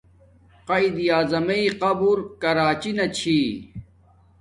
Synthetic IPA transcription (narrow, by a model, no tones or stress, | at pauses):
qɐid̪ijaːzɐmɐiqɐbuɾkɐɾaːt͡ɕinɐt͡ɕʰiː